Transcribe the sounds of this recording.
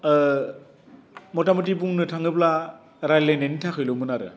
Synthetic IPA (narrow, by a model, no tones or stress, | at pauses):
mɔtamutibuŋnɯtʰaŋɯpla | ɾajlenenitʰakʰɯjlɯmɯnaɾɯ̰